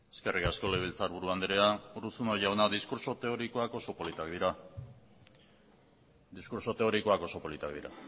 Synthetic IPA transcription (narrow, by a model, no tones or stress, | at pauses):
e̥ske̞rʔikasko̞le̞βelt͡saɾβuɾuand̪eɾeauɾusunoʝawnad̪iskuɾso̞t̪e̞oɾikoako̞so̞po̞lit̪akd̪iɾa | d̪iskuɾso̞t̪e̞o̞ɾiko̞ako̞so̞po̞lit̪akd̪iɾa